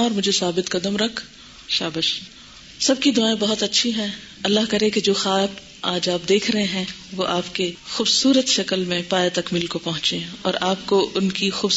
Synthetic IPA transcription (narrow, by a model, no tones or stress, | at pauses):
ɔːɾmʊd͡ʒʱesaːbɪt̪kɐd̪əmɾɐkʰ | ʃaːbəʃ | sɐb̚kid̪ʊaːẽbɐɦʊt̪ɐtːʃʰiɦɛ̃ː | ɐlːaɦkɐɾẽked͡ʒoːxaːb | aːd͡ʒaːp̚d̪eːkʰɾɐɦẽɦɛ̃ʋoʔaːpkexuːbsuːɾət̪ʃɐkəlmẽpaːjat̪ɐkmɪlkopɐɦʊ̃t͡ʃẽɔːɾaːp̚koʔʊnkixuːb